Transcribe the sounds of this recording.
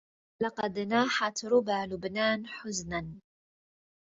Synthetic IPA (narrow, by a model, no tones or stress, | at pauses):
lɑqɑd̪naːħat̪ɾʊbaːlʊbnaːnħʊznan